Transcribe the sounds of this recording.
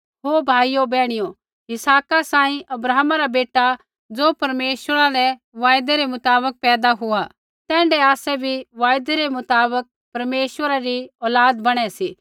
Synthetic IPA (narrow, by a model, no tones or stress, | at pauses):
ɦoːbʱaːijobɛːɽ̃ɪjo | ɪsaːkasãːĩʔɐbɾaːɦmaɾabeːʈa | d͡zoːpɐɾmeːʃʋəɾaɾɛ | ʋaːjd̪eɾemʊt̪aːbək̚pɛːd̪aɦʊa | t̪ɛ̃ːɳɖɛaːsɛbʱiʋaːjd̪eɾemʊt̪aːbək̚ | pɐɾmeːʃʋəɾaɾiɔːlaːd̪bɐɽ̃ɛsi